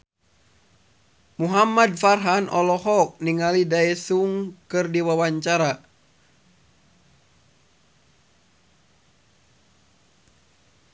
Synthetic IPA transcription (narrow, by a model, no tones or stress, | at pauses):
muɦamadfarɦanʔɔlɔɦɔk̚niŋalidaɛsuŋkɨrdiwawaɲt͡ʃaɾa